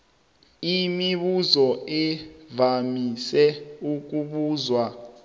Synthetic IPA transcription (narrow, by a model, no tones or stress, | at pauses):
imiɓuzɔɛvamisɛuk̬ʼuɓuːzwa